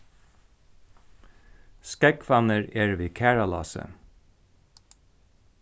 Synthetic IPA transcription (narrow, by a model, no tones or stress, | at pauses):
skɛkʰfɑnəɹeːɹʋiːkʰæːɹɑlɑ̰ːsə̰